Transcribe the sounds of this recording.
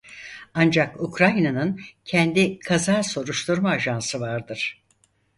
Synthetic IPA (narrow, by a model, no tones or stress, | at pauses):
and͡ʒakukɾajnanɯncʰɛnd̪ikʰazaːso̞ɾuʃt̪ʰuɾmaːʒansɯvaɾd̪ɯɾ̥